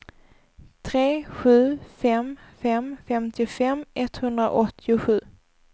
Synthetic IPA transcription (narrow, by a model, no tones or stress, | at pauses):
t̪ʰɾeːɧʉ̟ːfɛmfɛmfɛmt̪ʰɪfɛmʔɛt̪hɵnd̪ɾa̰ʔɔt̪ʰːɪʊɧʉ̟ː